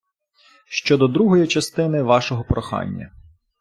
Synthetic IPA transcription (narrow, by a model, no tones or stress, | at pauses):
ʃt͡ʃɔd̪ɔd̪ɾuɦɔjit͡ʃɐst̪ɪnɪʋɑʃɔɦɔpɾɔxɑ̰nʲːɐ̰